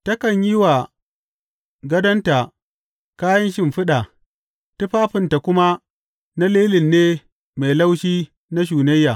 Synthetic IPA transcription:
tɐ˦kɐ˨ɲji˦wa˨ | ɡɐ˦dɐ˦nta˨ | kaː˦jɐ˦nʃɪ˦mɸɪ˦ɗa˨ | tʊ˦ɸaː˦ɸɪ˨nta˨kʷʊ˦ma˦ | na˦leː˦lɪ˨nːeː˦ | ma˨jla˦wʃiː˦ | na˦ʃ̬uː˨nɐ˦jːaː˨

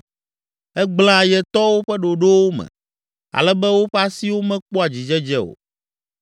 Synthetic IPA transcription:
ɛ˦ɡ͡bla˦˨jɛ˨t̪ɔ˦wo˦ɸɛ˦ɖo˨ɖo˦wo˦mɛ̰̃˨ | a̰˨lɛ˦bɛ˦wo˦ɸɛ˦a˦si˦wo˦mɛ̃˦k͡pɔ˦a˨d͡ʑi˨d͡ʒɛ˦d͡ʒɛ˦o̰˨

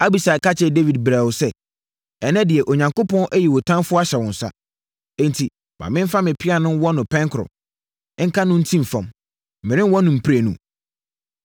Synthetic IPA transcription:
a˦bi˨sa˨kʰa˦t͡ɕʰɛ˨de˦vi˨dbɾæ˨wʊ˨sɛ˦ | ɛ˨nɛ̃˦dɪ˨ɛ˨ʔo˨ɲã˨ŋko˦pʰɔ̃˦nʔæ˦ji˨wɔ˨tʰã˦mfʊ˦a˦ɕɛ˨wɔ̃˨n̩˨sa̰˦ | ɛ̃˦n˨tʰi˨ | mã̰˨mɪ̃˦m˦fa˦mɪ̃˨pʰɪ˦a˨nʊ̃˦wɔ˦nʊ̃˨pʰɛ̃˦ŋkʰɾɔ̰˨˦ | ŋ̩˦kʰa˦nʊ̃˦n̩˦tʰĩ˦m˨fɔ̃˨m | m̩˨ɪ̃˨ɾɪ̃˦wɔ˦nʊ̃˨m̩˨pʰi˦ɾæ˨nṵ̃˨

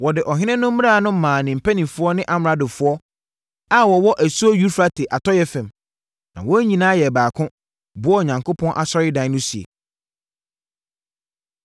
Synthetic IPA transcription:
wɔ˨dɪ˨ʔɔ˨ɦɪ̃˦nɪ̃˦nʊ̃˦m̩˦m̃˦a˦˨˦nʊ̃˦m̩˦mãː˨nɪ̃˨m̩˨pʰæ˦nĩ˨mfʊ˦ɔ˦nɪ̃˦ʔa˨m˨ɾa˨dʊ˨fʊ˦ɔ˦ | a˦wɔ˨wɔ˦ʔæ˨su˦ɔ˦jɥu˦ɾfɾa˦tʰe˨ʔa˨tʰɔ˦jɛ˦fɛ̃˨m | nã̰˨wɔ˦ɲĩ˨nãː˦jɛ˨baː˨kʰʊ̃˦ | bʊ˦ɔ˦˨ɲã˨ŋkʰo˦pʰɔ̃˦nʔa̰˨sɔ˦ɾɪ˦dã˨˦nʊ̃˦si˨ḛ˨

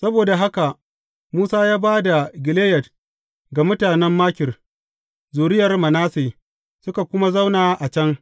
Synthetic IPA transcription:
sɐ˦boː˨da˨ɦa˦ka˨ʔ | muː˦saː˦jaː˦baː˦da˨ɡʲɪ˨leː˦jɐ˨d̚ | ɡa˨mʊ˦taː˨nɛ˦mːaː˦kʲɪ˨r | zuː˨ɾɪ˦jɐ˨rmɐ˨naː˦seː˨ | sʊ˦ka˨kʷʊ˦ma˦za˦wnaː˨ʔa˨t͡ʃɐ˦ŋ

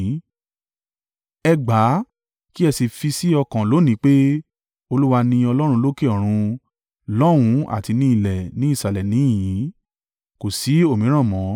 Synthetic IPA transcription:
ɛ˧ɡ͡ba˨˦ | ki˦ɛ˧si˧fi˧si˦ɔ˧kã˨lo˨˦nĩ˨˦k͡pe˦ | o˧lu˦wa˧nĩ˧ɔ˧lɔ˦ɾ̃ũ˧lo˦ke˦ɔ˨ɾ̃ũ˧ | lɔ˦ɾ̃ũ˧˦a̰˦˨ti˧nĩ˧˦i˦˨lɛ˨nĩ˨˦i˦˨sa˨lɛ˨nĩ˨˦ĩ˨jĩ˨˦ | ko˨si˨˦o˦˨mĩ˨˦ɾ̃ã˦˨mɔ̃˨˦

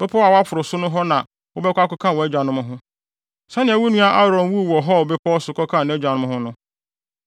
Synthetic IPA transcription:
b̥ɛ˦pʰɔ˦a˨wa˦fʰʊ˨ɾʊ˨sʊ˦nʊ̃˦ɦɔ˦nã˨ | wʊ˦bɛ˦kʷa˦kʊ˦kʰã˦˨wɔ˨ɛ˦d͡ʑᶣa˨nʊ̃˦mʊ̃˦ɦʊ̃˦ | sa˦nɪ̃˨æ˨wu˦nũ˦a˦ʔa˦ɾɔ̃˨n˦wu˦˨wɔ˨ɦɔ˦˨bɛ˦pʰɔ˦ɔ˦sʊ˨kʰɔ˦kʰã˦˨ñ˨˦ɛ˦d͡ʑᶣa˨nʊ̃˦m̃˦ɦʊ̃˦nʊ̃˦

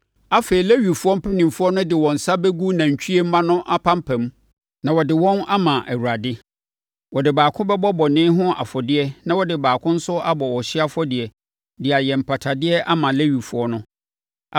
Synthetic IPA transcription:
a˦fe˨ɾi˨le˦ɥi˨fu˦ɔ˦m̩˦pʰɛ˦nĩ˨mfʊ˦ɔ˦nʊ̃˦dɪ˨wɔ̃˨n̩˨sa˦bɛ˦ɡu˦nã˨ɲ̩˨t͡ɕʰᶣi˦e˦m̩˦mã˦nʊ̃˦ʔa˦pʰã˦m˦pʰæ̃˨m˦ | nã˨wɔ˨dɪ˨wɔ̃˦na˦mã˨ʔæ˨wu˨ɾa˨dɪ˦ | wɔ˨dɪ˨baː˨kʰʊ̃˦bɛ˦bɔ˦bɔ˨nɪ̃˦ɦʊ̃˦a̰˨fɔ˨dɪ˦ɛ˦nã˦wɔ˦dɪ˨baː˨kʰʊ̃˦n̩˦sʊ˦a˦bɔ˨wɔ˨ɕɪ˦a˦fɔ˦dɪ˨ɛ˨ | dɪ˨a˨jɛ˨m̩˨pʰa˨tʰa˨dɪ˦ɛ˦ʔa˦mã˨le˦ɥi˨fu˦ɔ˦nʊ̃˦˨

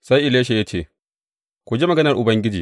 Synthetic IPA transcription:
sa˦jʔɪ˨leː˦ʃ̬e˨ja˦t͡ʃeː˦˨ | kʷu˨d͡ʒe˦mɐ˨ɡɐ˦nɐ˨rʔʊ˨bɐ˦ŋɡʲɪ˦d͡ʒḭː˨

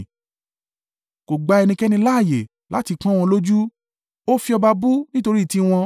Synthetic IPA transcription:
ko˨ɡ͡ba˨˧ɛ˧nĩ˧kɛ˦nĩ˧˦la˦˨je˨ | la̰˨˦ti˧kã˦w̃ɔ̃˧lo˦d͡ʒu˦ | o˦fi˦˧ɔ˧ba˧bu˦nĩ˦to˧ɾi˦˨ti˦w̃ɔ̃˧

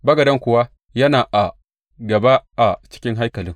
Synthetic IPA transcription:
bɐ˦ɡɐ˨dɐ˦ŋkʷʊ˨wa˦ | jɐ˦naː˨ʔa˨ | ɡɐ˨ba˦ʔa˨t͡ʃɪ̥˦kʲɪ˦ŋɦa˦jkɐ˨lɪ˦ŋ

